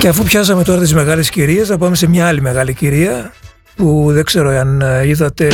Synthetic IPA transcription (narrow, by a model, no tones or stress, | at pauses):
ce̞ɐfupçɐs̬ɐme̞t̪o̞ɾɐt̪izme̞ɣɐle̞sciɾie̞znɐpɐme̞se̞mɲɐɐlime̞ɣɐliciɾiɐ | puðe̞ɡ̥se̞ɾoeɐniðɐt̪e̞